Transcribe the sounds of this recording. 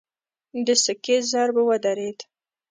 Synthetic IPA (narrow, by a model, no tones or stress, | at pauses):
d̪əsəkezaɾbawad̪aɾed̪